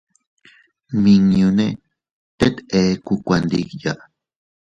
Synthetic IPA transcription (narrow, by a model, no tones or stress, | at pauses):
miŋɲune | t̪et̪ekukʷand̪ikja̰ʔ